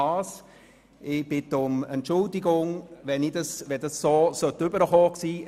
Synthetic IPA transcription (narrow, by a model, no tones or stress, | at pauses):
ɑːs | ɪb̥ɪt̪ʊmɛntt͡ʃʊldɪɡʊŋʋɛnid̥ɑsʋɛdɑsːoːsœtʏbəɾəχoːksiː